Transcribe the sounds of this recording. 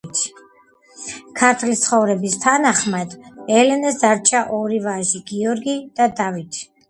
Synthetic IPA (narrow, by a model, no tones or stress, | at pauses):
t̪ʰ | kʰaɾt̪ʰlist̪sʰχɔvɾɛbist̪ʰanaχmad̪ɛlɛnɛsd̪aɾt͡ʃʼaʔɔɾivaʒiɡiɔɾɡid̪̥ad̪avit̪ʰi̥